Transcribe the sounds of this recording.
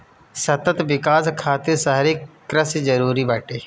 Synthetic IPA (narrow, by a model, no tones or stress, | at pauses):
sɐt̪ət̪ʋɪkaːskʰaːt̪esaɦɾikɾəsd͡ʒɐɾuːɾibaːʈeː